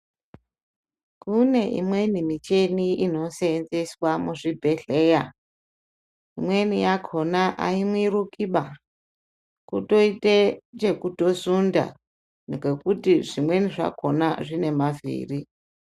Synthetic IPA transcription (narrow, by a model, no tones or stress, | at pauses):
kune̞ʔḭmwe̞nimit͡ʃe̞niino̞seːnzeswamuʐibʱe̞ɮe̞ja | imwe̞nijakʰo̞naʔa̰imwirukiɓa | kuto̞itet͡ʃe̞kuto̞sunda̰ | neɡe̞kutiʐimwe̞niʐa̰kʰo̞naʐine̞mavḭːri